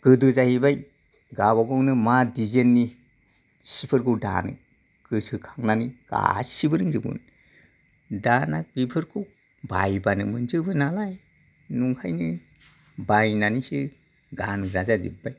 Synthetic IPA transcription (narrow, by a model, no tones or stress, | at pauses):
ɡ̥ɯdɯzahibaj | ɡabaɡɔŋnɯmadizenːi | sipʰɯɾkʰɯwda̰nɯ̰ | ɡ̥ɯsɯkʰaŋnaniɡ̥a̰sibɯɾɯŋzɯɡṵn | danaɡipʰɯɾkʰɯw | bajbanɯmɯnzɯbɯnalaj | nuŋkʰajnɯ | bajnanisɯ | ɡanɡɾazazḭbaj